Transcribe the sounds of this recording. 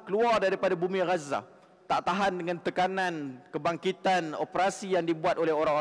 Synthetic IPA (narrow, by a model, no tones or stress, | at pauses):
kəluardaɾipadabumiɾaza̰ | t̪aʔt̪aɦandəŋãnt̪əkanãnkəbaŋkit̪ano̰pəɾasijaŋdibuat̪olɛɦoɾaŋo